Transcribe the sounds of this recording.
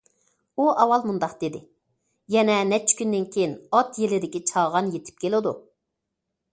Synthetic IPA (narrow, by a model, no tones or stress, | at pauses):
uʔɑwɑlˠmund̪ɑqd̪̥ed̪ɪ | jɛnɛnɛt͡ʃʰːkʲynd̪ɪnkʲʰejinɑt̪jelɪd̪ɪkʲit͡ʃʰɑʁɑnjet̪ʰɪ̥p̚kʲʰelˠɪd̪u